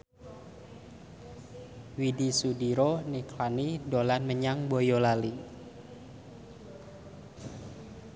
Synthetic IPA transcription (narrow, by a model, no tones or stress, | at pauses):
widisudiɾoniklanidolanməɲaŋbojolali